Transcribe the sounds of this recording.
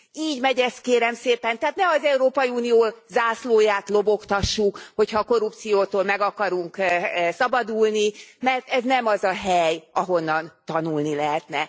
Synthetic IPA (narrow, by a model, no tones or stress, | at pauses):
iːɟmɛɟɛst̪̚keːɾɛmseːpɛnt̪ɛaːt̪nɛɒzɛuɾoːpɒjiuːnijoːzaːsloːjaːt̪lo̞bo̞kt̪ɒʃːukho̞chɒːko̞rup̚t̪sijoːt̪oːlmɛɡɒkɒɾuŋksɒbɒd̪uːlnimɛrt̪ɛznɛmɒzɒɦɛjɒɦo̞nːɒnt̪ɒnulnilɛɦɛt̪nɛ